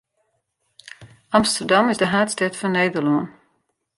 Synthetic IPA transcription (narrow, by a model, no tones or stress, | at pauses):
ʔɑmstərdɑmɪzdəɦaːtstɛtfɔnːeːdərloən